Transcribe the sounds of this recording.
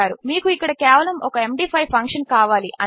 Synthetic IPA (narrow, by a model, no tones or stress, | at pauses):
aːɾumiːkuikːɐɽɐkɛːʋɐlɐmʔɔ̰kɐe̞mɖiːpʰɐjpʰɐŋkʂɐnkaːʋaːliʔɐ̰